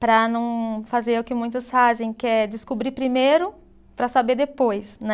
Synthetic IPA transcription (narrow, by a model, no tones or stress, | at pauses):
pɾɐnɐ̃w̃fazeɾʊkɪmũj̃t̪ɐsfazẽj̃kɪɛd͡ʒɪskobɾipɾimejɾʊ | pɾɐsabed̪epojsnɛ